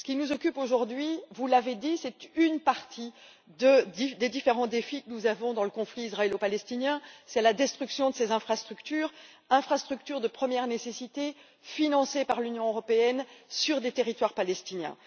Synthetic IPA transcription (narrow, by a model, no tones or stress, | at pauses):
sə̥kʲinuzɔkʲypoʒuʁd̪ɥivulaved̪isɛt̪ynpaʁt̪ʰi | d̪əd̪id̪ed̪ifeʁɑ̃d̪efikənuzavɔ̃d̪ɑ̃ləkɔ̃fliizʁaɛlopalɛst̪injɛ̃sɛlad̪ɛst̪χyksjɔ̃d̪əsezɛ̃fχast̪χykt̪yːʁ | ɛ̃fχast̪χyk̚t̪yʁd̪əpχəmjɛʁnesesit̪e | finɑ̃sepaʁlynjɔ̃øʁɔpeɛnsyʁd̪et̪eʁit̪waʁpalɛst̪injɛ̰̃